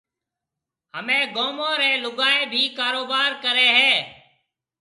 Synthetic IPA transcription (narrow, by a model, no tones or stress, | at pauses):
ɦəmẽːɡoːmõːɾɛːlʊɡaːẽːbʱiːkaːɾoːbaːɾkəɾeːɦeː